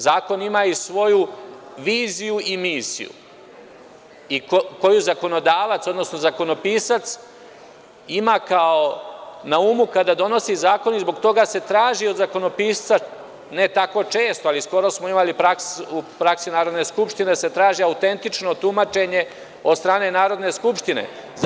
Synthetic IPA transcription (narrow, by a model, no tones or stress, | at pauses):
zaːko̞nimaːisʋo̞juʋiːzijuimiːsḭjṵ | ikko̞juzako̞no̞d̪aːʋat̪so̞d̪no̞sno̞zako̞no̞piːsat̪s | imaːkaonaumukad̪ad̪o̞no̞sizaːko̞nizbo̞ɡt̪o̞ɡase̞t̪ɾaːʒio̞d̪zako̞no̞piːst̪sa | ne̞t̪ako̞t͡ʃe̞ːst̪oalisko̞ɾosmoimalipɾaksupɾaksinaːɾo̞d̪ne̞skupʃt̪ine̞se̞t̪ɾaːʒiaut̪e̞nt̪it͡ʃno̞t̪umat͡ʃe̞ɲe̞ | od̪st̪ɾaːne̞naːɾo̞d̪ne̞skupʃt̪inḛ